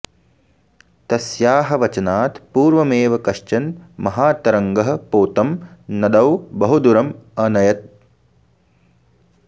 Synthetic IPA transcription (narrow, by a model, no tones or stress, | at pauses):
t̪ɐsjaːɦɐʋɐt͡ʃɐnaːt̪puːɾʋɐmeːʋɐkɐʂt͡ʃɐnmɐɦaːt̪ɐɾɐŋɡɐɦɐ̆poːt̪ɐmnɐd̪ɐwbɐɦud̪uɾɐmɐnɐjɐt̪̚